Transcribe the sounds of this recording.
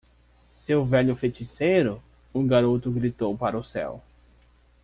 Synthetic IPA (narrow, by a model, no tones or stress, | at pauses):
sewvɛʎʊfet͡ʃisejɾʊ | ũɡaɾot̪ʊɡɾit̪owpaɾɐʊsɛ̰w